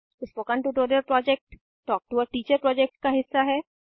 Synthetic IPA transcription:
ʊspokãnʈuʈoɾeɾpɾɔːd͡ʒek̚ʈ | ʈɔːk̚ʈuɔɾʈiːt͡ʃəɾpɾɔːd͡ʒek̚ʈkaɦɪsːaɦɛː

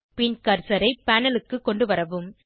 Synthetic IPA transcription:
pɪnkɐɾsɐɾɐɪpːaːnɐlɯkːɯkːɔɳɖɯʋɐɾɐʋɯm

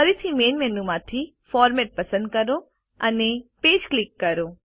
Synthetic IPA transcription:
əɾit̪ʰimenmenumãt̪ʰi | fɔɾmɛʈ̚pəsə̃nd̪̚kəɾõ | əneped͡ʒklikːəɾõ

